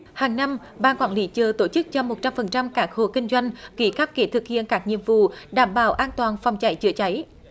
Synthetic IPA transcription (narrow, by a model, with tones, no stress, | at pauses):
haː˨˩ŋna˧m | ɓaː˧˩nkwaː˧˩nli˨˦t͡ɕəː˨˩t̪o˧˩t͡ɕɨ˦˥k̚t͡ɕɔ˧mo˨˩t̚t͡ɕa˧mfə˨˩nt͡ɕa˧mkaː˦˥k̚ho˧˩kï˧ŋ̟zwa˧jŋ̟ki˧˩ka˦˥p̚ke˨˩˦t̪ʰɨ˨˩k̚hḭ˧˨ənkaː˦˥k̚ɲḭ˧˨əmvṵ˧˨ɗaː˧˩mɓaː˧˩wʔaː˧nt̪waː˨˩nfɔ˨˩wŋ͡mt͡ɕa˧˩jt͡ɕɨ˧˥ət͡ɕa˨˦j